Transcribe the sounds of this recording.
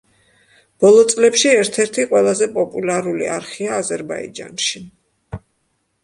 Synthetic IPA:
b̥ɔlˠɔt̪sʼlɛpʃiɛɾt̪ʰɛɾt̪ʰiqʼwɛlˠazɛpʼɔpʼulaɾulḭaɾχiaːzɛɾbaḭd͡ʒa̰nʃi

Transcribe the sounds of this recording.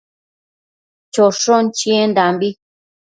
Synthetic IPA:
t͡ʃoʂõnt͡ʃĩend̪ambi

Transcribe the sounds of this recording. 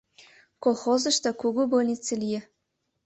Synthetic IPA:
kolˠxozə̆ʃt̪ɑkuɣubolʲnʲit͡selʲije

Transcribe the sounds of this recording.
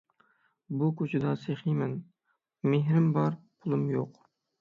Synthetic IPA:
bukʲʰʊt͡ʃʰɪd̪ɑseχijmɪn | meɦɾɪmbɑɾpʰʊlˠɪmjoq

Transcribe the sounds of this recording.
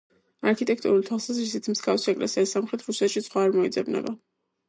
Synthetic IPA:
aɾkʰit̪ʼɛk̚ʰt̪ʼṵɾult̪ʰwalˠsazɾisit̪sʰmz̥ɡafsiɛkʼlɛsiasːamχɾɛt̪ʰɾusɛt̪ʃit̪sʰχwaːɾmɔḭd̪zɛbnɛ̰ba

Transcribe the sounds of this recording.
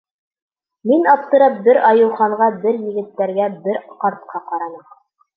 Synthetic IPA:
minɑp̚t̪ɤ̆ɾɤp̚bɘɾɑjɤ̆w̪ˠχɑɴɢɑbɘɾjɘ̆ɡɘ̆t̪ːæɾɡæbɘɾqɑɾt̪̚qʰɑqɑɾɑnɤm

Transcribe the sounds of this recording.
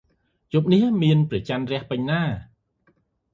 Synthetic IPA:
jup̚niəhmiənprɛt͡ɕanrɛ̆əhpɨɲnaː

